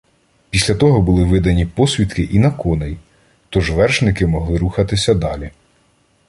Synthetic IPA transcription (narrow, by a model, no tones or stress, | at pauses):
pʲisʲlʲɐt̪ɔɦɔbʊlˠɪʋɪd̪ɐnʲipɔsʲʋʲit̪kɪʔinɐkɔnej | t̪ɔʒʋɛrʃnɪkɪmɔɦlˠɪɾuxɐt̪ɪsʲɐd̪ɑlʲi